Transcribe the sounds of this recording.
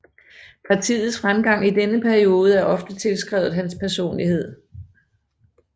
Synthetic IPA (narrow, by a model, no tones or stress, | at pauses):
pʰɑ̈t͡sʰḭːð̩ˠsfʁamɡ̥ɑ̈ŋ̰id̥enəpʰæɐio̝ːð̞̩ˠəæɐʔɒ̽fd̥ət͡sʰe̝lsɡ̥ʁɛ̰ʊð̩ˠɦænspʰæɐso̝̰ːnlihe̝ð̞̰ˠ